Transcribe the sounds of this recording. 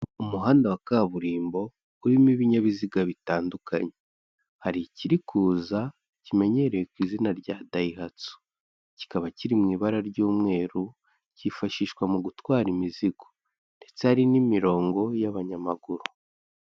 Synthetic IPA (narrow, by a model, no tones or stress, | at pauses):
umuɦaːndawakaβuɾiːmbo̞ | uɾimiβiɲaβiziɡaβitaːndukʰa̰ɲe̞ | haɾiciɾikʰuːza | cime̞ɲe̞ɾejekwiːzinaɾɟaːdaihat͡su̥ | ci̥kaβaciɾimŋiːβaɾaɾɟuːmŋe̞ːɾu | cifaʃiːʃwamuɡutwaːɾimiziɡ̥o̥ | nde̞t͡sehaɾinimiɾo̞ːŋɡo̞jaβaɲamaɡuɾu